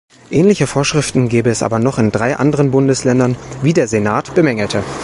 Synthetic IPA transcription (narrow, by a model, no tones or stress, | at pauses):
ʔɛːnlɪçəfoːɐʃʁ̥ɪftn̩ɡɛːbəɛsʔa̰ːbɐnɔχɪndʁaɪʔa̰ndəʁənbʊndəslɛndɐnviːdeːɐzenaːtb̥əmɛŋl̩tʰə